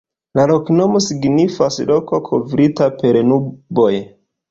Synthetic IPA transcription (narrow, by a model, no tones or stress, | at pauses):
lalo̞kno̞mo̞siɡnifaslo̞ko̞kʰovɾitape̞ɾnubo̞j